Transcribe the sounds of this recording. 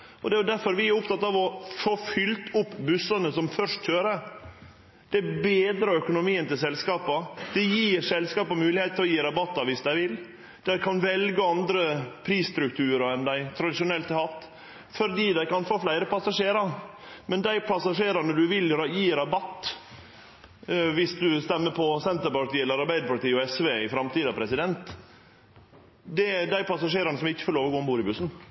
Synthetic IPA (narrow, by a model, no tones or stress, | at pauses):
ɔd̪ɛæjʊd̪æɾfɔɾʋɪæɾʊp̚t̪ɑt̪ɑʋɔfoːfʏlt̪ʊpːbʉsɑnəsɔmfœʂt̪t͡ʃøːɾə | d̪̥ɛbeːd̪ɾəœkʊnʊmiːənt̪ɪls̬ɛlskɑːpəd̪̥ɛjiːɾsɛlskɑːpəmʉːlɪheːt̪t̪ʰːɪlɔjiːɾɑbɑt̪ːɑʋɪsd̪æɪʋɪl | d̪̥æɾkʰɑnʋɛlɡəɑnd̪ɾəpʰɾiːsst̪ɾʉk̚t̪ʰʉːɾəɛnd̪æɪt̪ʰɾɑd̪ɪʂʊnɛlt̪əhɑt̪ː | fɔɾd̪iːd̪æɪkɑnfoːflæɪɾəpɑsɑʂeːɾɑmɛnd̪æɪpʰɑsɑʂeːɾɑnəd̪ʉʋɪlɾjiːɾɑbɑt̪ː | ʋɪsd̪ʉst̪ɛmːəpʰɔsɛnt̪əɾpɑʈ̪iːɛləɾɑɾbæɪd̪əɾpɑʈt̪iːɔɛsʋeːɪfɾɑmt̪iːd̪ɑpʰɾɛsɪd̪ɛnt̪ | d̪ɛd̪æɪpʰɑsɑʂeːɾɑnəsɔmɪçːə̥fɔloːʋəɾɡoːɔmbuːɾɪbʉsn̩